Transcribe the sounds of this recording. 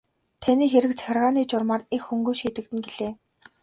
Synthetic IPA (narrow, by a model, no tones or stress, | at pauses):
t̪ʰaniːxeɾɘ̆k̚t͡sʰærʁaːniːt͡ɕʊrmaːrexxɵŋɡujʃiːt̪ɘ̆k̚t̪ɘ̆nɡeɮeː